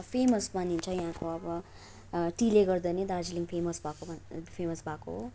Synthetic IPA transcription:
pʰemʌsbanint͡sʰʌjaɦãkoʌbʌ | ʈileɡʌrd̪ʌned̪ard͡ziliŋpʰemʌsbʱakopʰemʌsbʱako̰ɦo

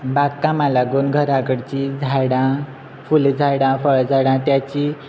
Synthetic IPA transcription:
bakkamalaɡuːnɡʱəɾaɡəɽt͡ɕid͡zʱaɽã | fuld͡zʱaɽãfəɭd͡zʱaɽãt̪jat͡ɕi

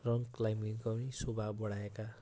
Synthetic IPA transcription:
rʌŋklajminkʌwnisobʱabʌɽaeka

